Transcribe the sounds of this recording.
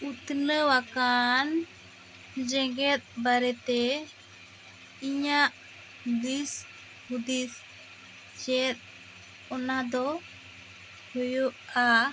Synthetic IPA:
ut̪nəwakan | d͡ʒɛɡɛt̪̚baɾɛt̪ɛ | iɲaʔ | ɡis | hud̪is | d͡ʒɛt̪̚ | ɔnad̪ɔ | hɔjuʔa

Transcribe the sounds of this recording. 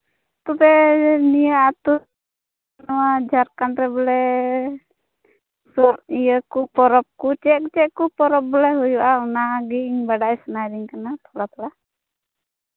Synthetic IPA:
t̪ɔbɛnijaʔat̪u | nɔwad͡ʒaɾkanɾɛbɔlɛ | sɔɾijəkupɔɾɔp̚kut͡ʃɛʔkt͡ʃɛkupɔɾɔp̚bɔlɛɦujuʔaunaɡiŋbaɖajsɔnajɾiŋkanat̪ʰɔɽat̪ɔla

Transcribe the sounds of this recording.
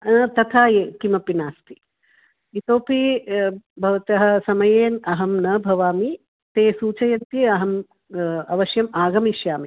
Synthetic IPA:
t̪ɐt̪ʰaːjeːkimɐpinaːst̪i̥ | it̪oːpʰi | bʱɐʋɐt̪ɐɦɐ̆sɐmɐjeːnɐɦɐmnɐbʱɐʋaːmi | t̪eːsuːt͡ʃɐjɐnt̪jeɐɦɐm | ɐʋɐʃjɐmaːɡɐmiʃjaːmi

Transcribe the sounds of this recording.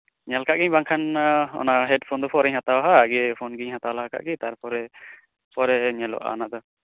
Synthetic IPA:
ɲalkʰaʔɡiɲbaŋkʰanɔ̰naɦɛɖpʰɔnd̪ɔpʰɔɾɛɲhat̪awaɦaːɡipʰɔnɡiɲhat̪awlaɦakʰa̰ʔɡit̪aɾpɔɾɛ | pʰɔɾɛɲɛlɔ̰ʔa̰naʔd̪ɔ

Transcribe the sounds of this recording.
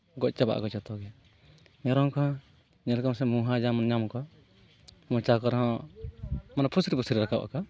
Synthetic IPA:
ɡɔc̚t͡ʃaba̰ʔkɔt͡ʃɔt̪ɔɡɛ | ɲɔɾɔŋkɔ̃ | ɲɛlkamsɛmuɦad͡ʒamɔnɲamkɔ | mɔt͡ʃakɔɾɦɔ̃ | manapʰusɾipʰusɾiɾakabʔa̰kɔ

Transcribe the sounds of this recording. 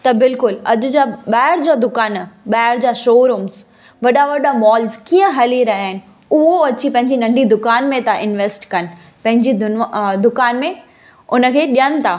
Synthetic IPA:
t̪ɐbɪlkʊlɐʄʊd͡ʑaːɓaːɪɾd͡ʑaːd̪ʊkaːnɓaːɪɾd͡ʑaːʃoːɾuːmz | ʋɐɗaʋɐɗamɔːlzkiːə̃ɦɐliɾɐɦiaːɦɪnɪ̆ | ʊɦoɐt͡ɕipɐ̃ɦɪ̃ɲd͡ʑinɐ̃ɳɖʱid̪ʊkaːnmẽt̪ʰaʔɪnʋeːsʈkɐnɪ̆ | pɐ̃ɦɪ̃ɲd͡ʑiʊd̪ʊkaːnmẽ | ʊnə̆kʰeːɗijənɪ̆t̪ʰaː

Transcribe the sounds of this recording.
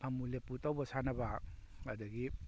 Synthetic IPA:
pʰamuleputawbasanɐbaadɐɡi

